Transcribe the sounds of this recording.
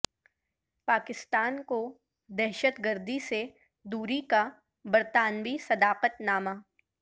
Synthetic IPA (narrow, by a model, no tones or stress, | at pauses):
paːkɪst̪aːnko | d̪ɛɦʃət̪ɡəɾd̪ise | d̪uːɾika | bɐɾt̪aːnʋisɐd̪aːqət̪naːmaː